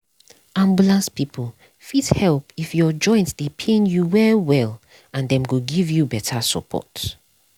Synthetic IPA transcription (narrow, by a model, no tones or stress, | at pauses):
ãmbjulãnspipʰəl | fidhɛlˠpifjɔd͡ʒɔ̃ɪ̃ntsd̥epʰẽnjuwɛwɛl | ãndɛ̃mɡoɡivjubɛtʰasə̰pʰɔ̰t